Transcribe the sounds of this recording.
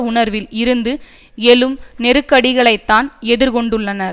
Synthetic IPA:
ʊɳɐɾʋɪlɪɾɯnd̪ɯ | ɛlɯmnɛɾɯkːɐɽɪɣɐɭɐɪt̪ːaːnɛðɪɾkɔɳɖɯɭːɐnɐɾ

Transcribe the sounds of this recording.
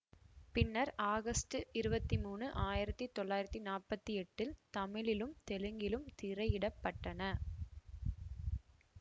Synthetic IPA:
pɪnːɐɾʔaːɣɐsʈɯɪɾɯbɐt̪ːimuːnɯʔaːjɪɾɐt̪ːit̪ːɔɭːaːjɪɾɐt̪ːinaːpɐt̪ːiɛʈːɪlt̪ɐmɪɭɪlɯmt̪ɛlɯŋɡɪlɯmt̪ɪrɐɪɪɽɐpːɐʈːɐnɐ

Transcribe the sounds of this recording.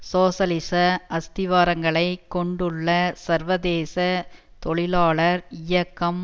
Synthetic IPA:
soːsɐlɪsɐɐst̪ɪʋaːɾɐŋɡɐɭɐɪkːɔɳɖɯɭːɐsɐɾʋɐðeːsɐ | t̪ɔɭɪlaːɭɐɾɪjɐkːɐm

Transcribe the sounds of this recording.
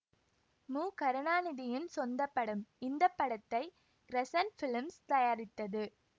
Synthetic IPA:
muːkɐɾɯnaːnɪðɪjɪnsɔnd̪ɐpːɐɽɯmɪnd̪ɐpːɐɽɐt̪ːɐɪ | ɾɛsɐnfɪlmst̪ɐjaːɾɪt̪ːɐðɯ

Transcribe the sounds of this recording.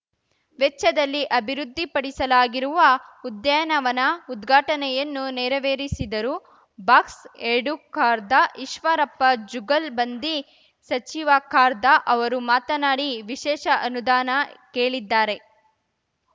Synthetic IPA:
ʋɛt͡ʃːɐd̪ɐlːiʔɐbʱiɾud̪ʱːipɐɽisɐlaːɡiɾuʋɐud̪jɐjɐnɐʋɐnɐud̪ɡʱaːʈɐnɛjɐnːunɛːɾɐʋeːɾisid̪ɐɾu | baːkseɖukaːɾd̪ɐʔiʃʋɐɾɐpːɐd͡ʒuɡɐlbɐnd̪i | sɐt͡ʃiʋakaːɾd̪ɐʔɐʋɐɾumaːt̪ɐnaːɽiʋiʃɛːʃɐʔɐnud̪aːnɐkeːɭid̪ːaːɾe̞

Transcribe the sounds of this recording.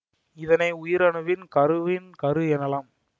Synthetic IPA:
ɪðɐnɐɪʊjɪɾɐɳɯʋɪnkɐɾɯʋɪnkɐɾɯɛnɐlaːm

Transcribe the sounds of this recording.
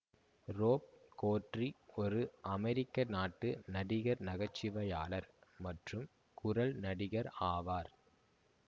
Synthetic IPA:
roːp̚koːʈriɔɾɯʔɐmɛɾɪkːɐnaːʈːɯnɐɽɪɣɐɾnɐɣɐt͡ʃːɪʋɐjaːlɐɾmɐʈrɯm | kʊɾɐlnɐɽɪɣɐɾaːʋaːɾ

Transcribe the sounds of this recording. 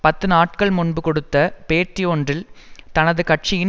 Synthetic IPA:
pɐt̪ːɯnaːʈ̚kɐɭmʊɳbɯkɔɽɯt̪ːɐpeːʈrɪjoːndrɪlt̪ɐnɐðɯkɐʈt͡ʃɪjɪ

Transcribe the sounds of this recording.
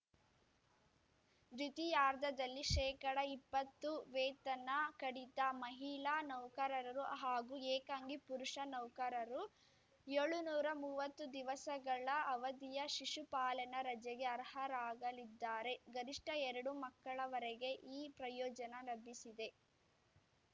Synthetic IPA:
d͡ʒ̪it̪ijaːɾd̪ɐd̪ɐlːiʃɛːkɐɽɐipːɐt̪ːuʋɛːt̪ɐnɐkɐɽit̪ɐmɐɦiɭaːnɐwkɐɾɐɾɐɾuɦaːɡueːkaːŋɡipuɾuʂɐnɐwkɐɾɐɾu | eɭunuːɾɐmuːʋɐt̪ːud̪iʋɐsɐɡɐɭɐɐʋɐd̪ijɐʃiʂupaːlɐnɐɾɐd͡ʒɛɡe̞ɐɾhɐɾaːɡɐlid̪ːaːɾe̞ɡɐɾiʂʈɐɛɾɐɽumɐkːɐɭɐʋɐɾeɡe̞ʔiːpɾɐjɔːd͡ʒɐnɐlɐbʱːisid̪e̞

